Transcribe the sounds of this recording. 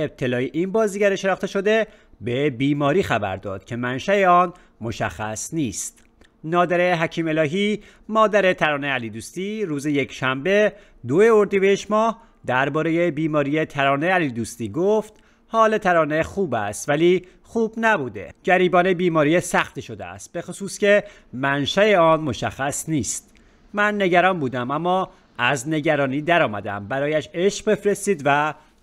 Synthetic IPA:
eb̚t̪ʰe̞lɒːjeʔinbɒːziːɟæɾeʃe̞nɒːxt̪e̞ʃo̞d̪e̞ | bebiːmɒːɾiːxæbæ̰ɾd̪ɒ̰ːd̪̥cʲʰe̞mænʃæeɒːn | mo̞ʃæ̰xːæ̰sniːst̪ | nɒːd̪æɾeɦæcʰiːme̞lɒːɦi | mɒːd̪æɾe̞t̪ʰæɾɒːneæliːd̪uːst̪iːɾuːzeje̞cʰʃæmbe̞ | d̪oeoɾd̪ibeeʃmɒːh | d̪æɾbɒːɾejebiːmɒːɾiːjet̪ʰæɾɒːneælid̪uːst̪iːɡoft̪ | hɒːlet̪ʰæɾɒːne̞xuːbæ̰st̪væliː | xuːbnæbuːd̪e̞̰ɟ̥æɾiːbɒːnebiːmɒːɾijesæxt̪iʃo̞d̪ḛæ̰st̪̚be̞xosuːsce̞ | mænʃæeɒːnmo̞ʃæ̰xːæsniːst̪ | mænːe̞ɟæɾɒːnbuːd̪æmæmːɒː | æzne̞ɟæɾɒːniːd̪æɾɒːmæd̪æ̰mbæɾɒːjæʃe̞ʃqbefɾe̞st̪iːd̪væ

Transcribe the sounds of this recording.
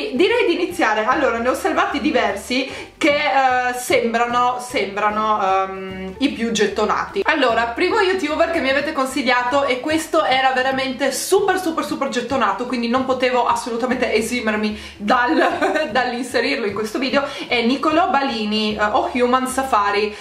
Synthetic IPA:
d̪iɾɛjd̪iːnit̪sːjaːɾealːoːɾaneoservaːt̪id̪ivɛrsi | kesembɾanosɛmbɾano | ipjud͡ʒet̪ːona̰ːt̪ialːoːɾapɾiːmojut̪juːberkemːiaveːt̪ekonsiʎːaːt̪oʔekːwest̪oʔɛːɾaveɾament̪esuːpersupersuperd͡ʒet̪ːonaːt̪okwind̪inompot̪eːvoʔasːolut̪amẽnt̪eʔeziːmermi | d̪ald̪alːinseɾirloiŋkwest̪oviːd̪eoɛnikolɔbaliːnioxjumansafaːɾi

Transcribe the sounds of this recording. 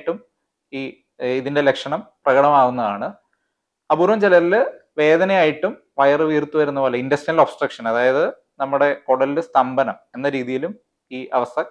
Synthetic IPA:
ʈːum | iː | iðinde̞lekʂɐɳɐmprɐɣɐɽɐmaːɣunːɐðaːɳɨ | ɐbuːɾʋɐmt͡ɕelɐɾilɨ | ʋe̞ːðɐnɐjaːjiʈːum | ʋɐjɐrɨʋiːrt̪ːuʋɐɾunːɐpoːlɐindɐstinɐlo̞ːbsʈrɐkʂɐnɐðaːjɐðɨ | nɐmːuɽe̞koɽɐlilɨst̪ɐmbɐnɐme̞nːɐɾiːðijilum | iːʔɐʋɐst̪ʰɐ

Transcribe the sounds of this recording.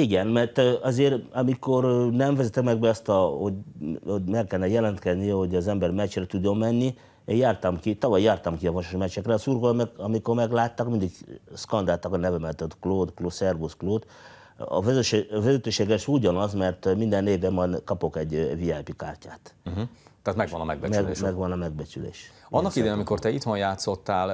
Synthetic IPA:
iɡɛnmɛrt̪ːɒzeːɾɒmiko̞rnɛɱvɛzɛt̪ɛkmɛɡ̚bɛɒst̪ɒhoɟomɛkːɛlnːɛjɛlɛnt̪kɛzniɛho̞ɟɒzɛmbɛrmɛt͡ʃrɛt̪ud̪ːo̞mːɛnːi | ejaːrt̪ɒmkit̪ɒvɒjːaːrt̪ɒmkiɒvɒʃoʃmɛt͡ʃːɛkrɛɒsuːrɡolmɛɒmiko̞rmɛɡlaːt̪ːɒkmind̪iɡskɒnd̪aːlt̪ɒkɒnɛvɛmɛt̪øt̪kloːd̪kloːsɛrbuskloːt̪ | ɒ̰vʃvɛzɛt̪øːʃeːɡɛʃuɟɒnɒzmɛrt̪mind̪ɛnːeːvɛmːɒnkɒpo̞kɛɟviaːjpikaːrcaːt̪̩ɦ̩t̪aːt̪mɛɡʋɒ̰nɒmɛ̰ɡ̚bɛmɛɡmɛɡʋɒnɒmɛɡ̚bɛt͡ʃylḛːʃɒnːɒkid̪eːnɒmikort̪ɛit̪honjaːt̪so̞t̪ːaːl

